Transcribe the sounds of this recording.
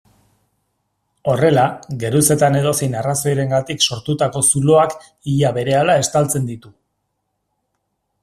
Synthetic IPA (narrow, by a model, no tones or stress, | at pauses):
o̞re̞laɡe̞ɾuse̞t̪ane̞ðo̞sejnaraso̞jɾe̞ŋɡat̪ikso̞ɾt̪ut̪ako̞sulo̞ak | iʎaβe̞ɾe̞alae̞st̪alt͡se̞nd̪it̪u